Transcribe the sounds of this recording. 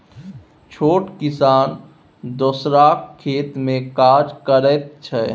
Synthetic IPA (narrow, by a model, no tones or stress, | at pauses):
t͡ʃʰoːʈkɪsaːn | d̪osɾakʰːeːt̪mẽkaːd͡ʒkəɾɛt̪̚t͡ʃʰɛ